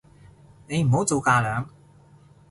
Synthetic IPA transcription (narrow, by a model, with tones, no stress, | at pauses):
ne˨˧jm̩˨˩ɦo˨˥wt͡so˨˧wkaː˧lœː˨˧ŋ